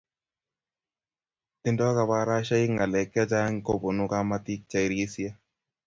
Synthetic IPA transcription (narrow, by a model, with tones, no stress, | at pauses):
t̪ɪ˨ndɔ˦ka˧ba˦ɾa˦ʃa˦ɪ˦ŋa˨lɛ˨ka˦t͡ʃa˦ŋ˦ko˦˨bo˨nʊ˦ka˦ma˦t̪i˦k̚t͡ʃa˨i˨ɾe˦sija˦